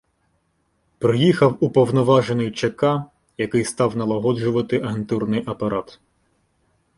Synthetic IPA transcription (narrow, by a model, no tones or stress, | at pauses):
pɾɪjixɐwupɔwnɔʋɑʒenʊjt͡ʃɐkɑ | jɐkɪjst̪ɑwnɐlˠɐɦɔd͡ʒʊʋɐt̪ɪʔɐɦent̪urnɪjʔɐpɐɾɑt̪